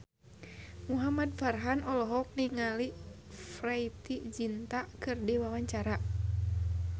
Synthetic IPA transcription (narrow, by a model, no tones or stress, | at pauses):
muɦamad̪̚farɦanɔlɔɦɔk̚niŋali | fɾait̪id͡ʒint̪akɨrdiwawaɲt͡ʃaɾa